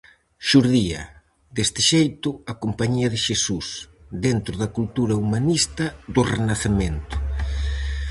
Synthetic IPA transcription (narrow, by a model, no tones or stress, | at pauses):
ʃuɾðiɐ̰ | d̪est̪ɪʃejt̪ʊɐkompaɲiɐðɪʃesus | d̪ent̪ɾʊðɐkult̪uɾɐumanist̪ɐðʊrenaθemẽnt̪ʊ̥